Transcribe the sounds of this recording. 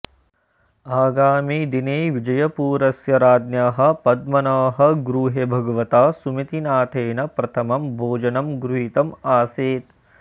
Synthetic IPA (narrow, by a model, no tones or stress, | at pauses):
aːɡaːmiːd̪ineːʋid͡ʒɐjɐpuːɾɐsjɐɾaːd̪njaːɦɐ̆pɐd̪̚mɐnɐːɦɐ̆ɡɾuːɦebʱɐɡɐʋɐt̪aːsumit̪inaːt̪ʰeːnɐpɾɐt̪ʰɐmɐmbʱoːd͡ʒɐnɐmɡɾuɦit̪ɐmaːseːt̪